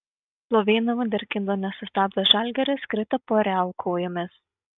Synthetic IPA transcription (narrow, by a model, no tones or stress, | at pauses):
plˠoːʋʲeːnɐʋɐd̪ʲɛɾʲkʲɪnd̪oːnʲɛsʊst̪ɑːb̚d̪ʲɐʒɑlʲɡʲɛɾʲɪskɾʲɪt̪ɐpoɾʲæʊkʰoːjomʲes